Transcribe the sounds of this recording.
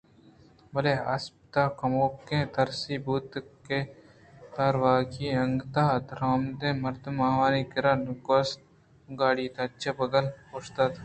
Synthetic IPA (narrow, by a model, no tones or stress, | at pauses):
bɐlea̰spt̪aːkɐmoːp̚kẽt̪ɐɾsibuːt̪ke | t̪aːɾwaːkiɐŋɡt̪aːd̪ɾaːmd̪ẽmɐɾd̪maːʋaːniɡɪɾankos | ɡaːɽiːt̪ɐt͡ʃʰːɐbɐɡəlpost̪at̪